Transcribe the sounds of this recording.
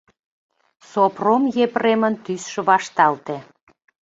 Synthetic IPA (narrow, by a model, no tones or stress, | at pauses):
sopromjepremənt̪ysʃə̆βɑʃt̪ɑlt̪e